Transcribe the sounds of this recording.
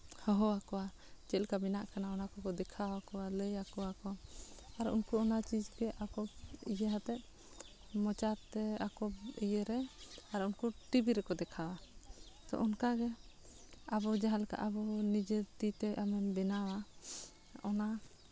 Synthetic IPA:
hɔɦɔakɔwa | t͡ʃɛlkabinaʔkanaɔnakɔkɔd̪ɛkʰawakɔwaləjakɔwakɔaɾṵnkuɔnat͡ʃid͡ʒɡɛʔakɔbijəɦat̪ɛʔ̚ | mɔt͡ʃat̪ɛakɔbijəɾɛaɾunkuʈibiɾɛkɔd̪ɛkʰawa | t̪ɔ̰ʔɔnkaɡɛ | abɔd͡ʒaɦalka̰ʔabɔnid͡ʒet̪it̪ɛʔamɛbɛnawa | ɔna

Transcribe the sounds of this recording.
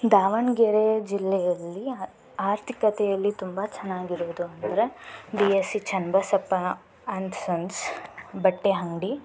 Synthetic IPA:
d̪aːʋɐɳɡeɾed͡ʒilːɛjɐlːi | aːɾt̪ʰikɐt̪ɛjɐlːit̪umbɐt͡ʃɐnːaːɡiɾoːd̪uɐnd̪ɐɾebiesit͡ʃɐnbɐsɐpːɐ | ɐnt̪sɐnsbɐʈːeɦɐŋɖi

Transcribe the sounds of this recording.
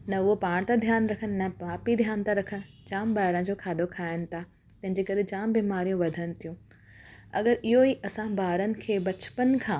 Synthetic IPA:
nɐʊopaːɽ̃t̪ad̪ʱjaːnɾɐkʰənɪ̆nɐpaːpid̪ʱjaːnt̪aɾɐkʰənɪ̆ | d͡ʑaːmbaːɦɪɾə̃nd͡ʑoːkʰaːd̪ʱokʰaːɪnɪ̆t̪ʰa | t̪ɐ̃ɦɪ̃ɲd͡ʑeːkɐɾed͡ʑaːmbiːmaːɾijũʋɐd̪ʱənɪ̆t̪ʰijũ | ɐ̰ɡəɾɪɦoiʔɐsãbaːɾənɪ̆kʰeːbɐt͡ɕpənkʰãː

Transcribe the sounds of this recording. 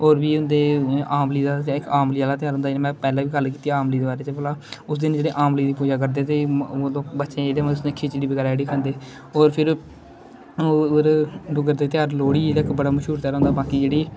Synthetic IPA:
oːɾʋiːʊnd̪eːaːmliːd̪aːɪkaːmliːaːlaːt̪ɪjaːɾɦʊ̃ːnd̪amɛ̃ːpɛːlaːʋiːɡəlkiːt̪iaaːmliːd̪eːbaːɾeːt͡ʃəpəlaːʊsd̪ɪnd͡ʒeːɽeːʔaːmliːd̪iːp̬uːd͡ʒaːk̬əɾd̪eːt̪eːloːbətːʃẽːeːɾeːnʊsnekʰiːt͡ʃːɽiːbɪɡaːɾɛːɽiːkʰənd̪eː | oːɾpʰɪɾ | ɾɖʊɡəɾd̪eːt̪ɪjaːɾloːɽiːlaːkbəɽaːməʃɦuːɾt̪ɪjaːɾɦõnd̪aːbaːkiːd͡ʒeːɽiː

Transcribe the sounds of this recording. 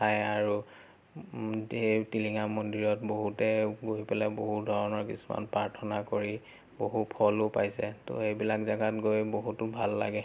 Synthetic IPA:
tʰajaɹu | zetiliŋamɔndiɹɔtboɦutɛɡojpɛlaboɦudʱɔɹɔnɔɹkisuma̰npɹaɹtʰɔnakoɹi | boɦupʰɔlʊpajsɛto̰ejbilakzaɡatɡojboɦutʊbʱalːa̰ɡɛ

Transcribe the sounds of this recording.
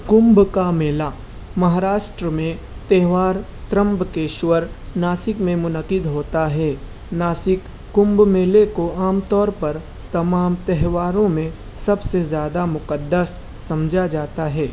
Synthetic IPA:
kʊ̃mbkameːla | mɐɦaːɾaːʃʈɾəmẽ | t̪ɛɦʋaːɾ | t̪ɾə̃mbkeːʃwəɾnaːsɪkmẽmʊnəqɪd̪ɦoːt̪aɦɛː | naːsɪkː | ʊ̃mbmeːlekoaːmt̪ɔːɾpɐɾ | t̪ɐmaːmt̪ɛɦʋaːɾõmẽ | sɐbsezjaːd̪amʊqəd̪ːəsː | ɐmd͡ʒʱad͡ʒaːt̪aɦɛː

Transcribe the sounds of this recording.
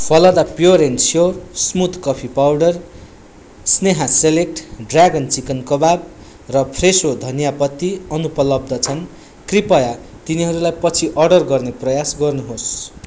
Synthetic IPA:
pʰʌlʌd̪apjoɾensjorsmut̪kʌpʰipawɖʌr | sneɦaselek̚ʈɖraɡʌnt͡sikʌnkʌbab | rʌpʰresod̪ʱʌnjapʌt̪ːiʌnupʌlʌb̚d̪ʌt͡sʰʌn | kripʌjat̪iniɦʌɾulajpʌt͡sʰiʔʌrɖʌrɡʌrneprʌjasɡʌrnuɦos

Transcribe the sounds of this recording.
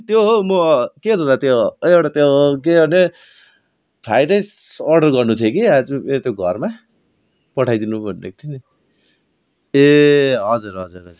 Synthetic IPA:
t̪joɦomʌkeɦot̪ʰod̪at̪joewʈat̪jok̬eɦʌne | pʰajt͡saj̃s | ʌrɖʌrɡʌrnut̪ʰjokiad͡zuet̪joɡʱʌrma | pʌʈʰajd̪inubʱʌnːḛkt̪ʰini | eɦʌd͡zuɾɦʌd͡zurɦʌd͡zur

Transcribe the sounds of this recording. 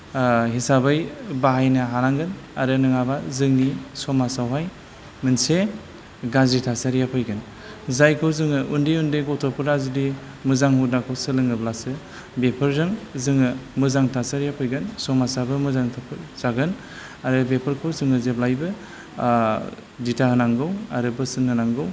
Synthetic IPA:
ɦisabajbaɦajnaɦaɾaŋɡɯn | aɾɯnɯŋabazɯŋnisɔmasawɦaj | mɯnse | ɡazitʰasaɾijapʰɔjɡɯn | zajkʰɯwzɯŋɯʔundiundiɡɔtʰɔpʰɯɾazudi | mɯzaŋhudnakʰɯwsɯlɯŋɯblasɯ | bepʰɯɾzɯŋzɯŋɯmɯzaŋtʰasaɾijapʰɔjɡɯnsɔmasabɯmɯzaŋtʰapʰzaɡɯn | aɾɯbepʰɯɾkʰɯwzɯŋɯzeplajbɯ | ditʰahɯnaŋɡɯwa̰ɾɯbɯsɯnhɯnaŋɡɯw

